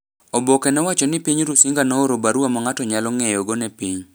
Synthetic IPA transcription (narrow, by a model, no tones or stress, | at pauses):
obokenɔwat͡ʃɔnɪpiɲɾusiŋɡanɔoɾobaɾwamɔŋatɔɲalɔŋɛjɔɡonɛpiɲ